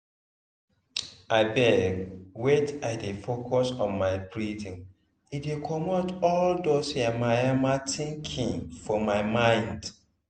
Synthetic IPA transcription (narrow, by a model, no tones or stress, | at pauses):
aɪbɛwet͡ʃaɪdefokʰɔsɔ̃nmaɪpɹitĩn | idekʰɔmotɔldosamajamatʰĩŋkʰĩŋfɔmaɪmãɪ̃nd